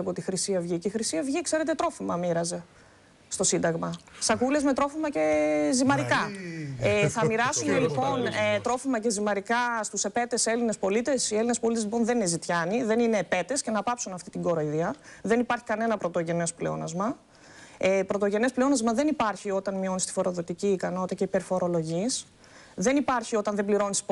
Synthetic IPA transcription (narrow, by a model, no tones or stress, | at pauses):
ɐpot̪ixɾisiɐvʝiceixɾisiɐvʝikse̞ɾe̞t̪et̪ɾo̞fimɐmiɾɐze̞ | st̪o̞sind̪ɐɣmɐsɐkule̞zme̞t̪ɾo̞fimɐce̞zimɐɾikɐeθɐmiɾɐsumelipo̞net̪ɾo̞fimɐce̞zimɐɾikɐst̪use̞pe̞t̪e̞se̞line̞spo̞lit̪e̞sielinespolit̪ezlipo̞nðe̞ninezit̪çɐniðe̞nine̞pe̞t̪e̞sce̞nɐpɐpsunɐft̪it̪iɡo̞ɾoiðiɐðe̞nipɐɾçi̥kɐne̞nɐpɾo̞t̪o̞ʝe̞ne̞spleo̰nɐzmɐ | epɾo̞t̪o̞ʝe̞nespleo̞nɐzmɐðe̞nipɐɾçio̞t̪ɐnmio̞nist̪i̥fo̞ɾo̞ðo̞t̪iciːkɐno̞t̪it̪ɐceipeɾfo̞ɾo̞lo̞ʝis | ðe̞nipɐɾçio̞t̪ɐnðe̞bliɾo̞nisi̥